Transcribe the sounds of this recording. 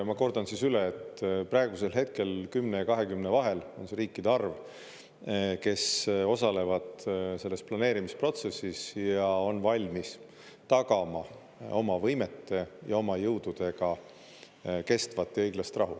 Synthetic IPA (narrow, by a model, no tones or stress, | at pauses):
mɑko̞rd̪ɑnsisyleːt̪ːprɑeɡ̥use̞lɦe̞t̪̚ke̞lkymnejɑkɑɦe̞kymne̞vɑɦe̞lo̞nse̞ɾiːkːˑid̪̥eɑrv | ke̞so̞sɑle̞vɑd̪̥se̞lːe̞splɑne̞ːɾimispro̞t̪se̞sːisjɑo̞nvɑlʲmis | t̪ɑkɑmɑ | o̞mɑvɤjme̞t̪ːe̞jɑo̞mɑjɤwd̪̥ud̪̥e̞ɡ̥ɑ | ke̞st̪vɑt̪ːˑjɤjɡlɑst̪rʔɑɦṵ